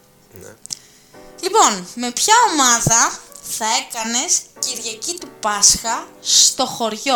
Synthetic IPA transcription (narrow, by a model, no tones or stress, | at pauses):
lipo̞nme̞pçɐo̞mɐðɐθɐe̞kɐne̞sciɾʝɐcit̪upɐsxɐst̪o̞xo̞ɾʝo̞